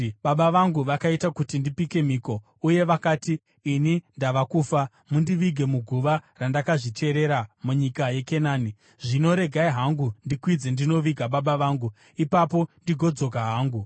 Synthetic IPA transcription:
ɓaɓaʋaŋɡuʋakaitakutindipike̞miːko̞ | uje̞ʋakaːtiː | nindaʋakuːfa | mundiʋiɡʱe̞muɡʱuʋarandakaʐit͡ʃe̞ɾe̞ɾamuɲikaje̞ke̞naːni | ʐino̞ɾe̞ɡʱaiɦaŋɡundikwid͡ze̞ndino̞ʋiɡʱaɓaɓaʋaːŋɡu | ipapo̞ndiɡʱo̞d͡zo̞kaɦaːŋɡu

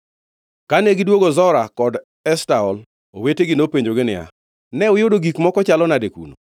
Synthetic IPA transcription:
kanɛɡɪdwoɡozɔɾakɔd | ɛstaɔl | o̰weteɡɪnopeɲd͡ʒoɡɪnɪja̰ | nɛʊjodoɡikmɔkɔt͡ʃalɔnadekṵno̰

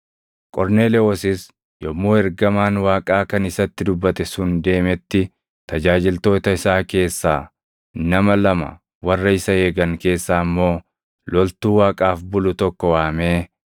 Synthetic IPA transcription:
kʼɔɾne̞ːlɛɔsɪs | jɔmːoːɛɾɡɐmaːnwaːkʼaːkɐnɪsɐt̪ːɪd̪ʊbːɐt̪ɛsʊnd̪e̞ːmɛt̪ːɪ | t̪ɐd͡ʒaːd͡ʒɪlt̪o̞ːt̪ɐɪsaːke̞ːsːaː | nɐmɐlɐmɐ̰ | wɐrːɐɪsɐe̞ːɡɐŋke̞ːsːaːmːo̞ː | lɔlt̪uːwaːkʼaːfbʊlʊt̪ɔkːɔwaːmeː

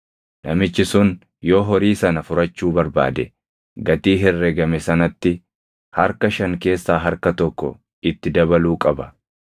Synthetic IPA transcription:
nɐmɪt͡ʃːɪsʊn | jo̞ːɦɔɾiːsɐnɐfʊɾɐt͡ʃːuːbɐɾba̰ːd̪ɛ | ɡɐt̪iːɦɛrːɛɡɐmɛsɐnɐt̪ːɪ | hɐɾkɐʃɐŋke̞ːsːaːɦɐɾkɐt̪ɔkːɔ̰ | ɪt̪ːɪd̪ɐβɐluːkʼɐbɐ

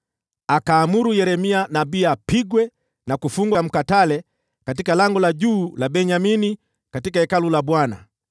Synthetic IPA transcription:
akaːmuɾujɛɾɛmianabiapiɡwɛ | nakufuŋɡwam̩katalɛ | kat̬ikalaŋɡɔlaɟuːlabɛɲamini | katikaɛkalulabwana̰

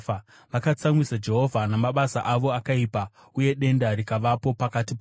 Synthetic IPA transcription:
ʋakat͡samwisad͡ʒe̞ɦo̞vʱanamaɓasaʔaʋo̞akaipa | uje̞ɗe̞ndaɾikaʋapo̞pakatip

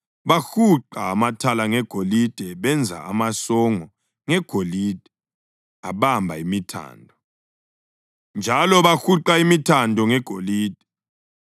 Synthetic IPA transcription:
βaxuǃaːmatʰalaŋɛɡ̥ʱolid̥ʱɛβɛnd͡zʱa̰amasɔŋɔ | ŋɛɡ̥ʱoliːd̥ʱɛ | aɓambʱa̰imitʰa̰ːndʱɔ | nd͡ʒʱalɔβaxuǃaimitʰandʱɔŋɛɡ̥ʱoliːd̥ʱɛ

